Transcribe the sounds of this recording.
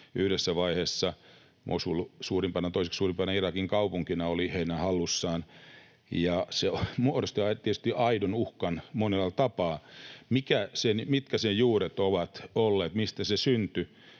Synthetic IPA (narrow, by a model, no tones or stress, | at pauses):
yhɾesːæʋɑiheːsːɑ | mʔo̰sulsuːrimpɑnɑt̪oiseksuːrimpɑnɑirɑkiŋkɑupuŋkinɑoliheinæhɑlːusːɑːn | jɑseomuodost̪iɑt̪iet̪yst̪iʔɑidonuhkɑnmonelːɑlt̪ɑpɑːmikæsenmit̪kæsejjuːɾet̪oʋɑt̪olːeːt̪mist̪æsesynt̪y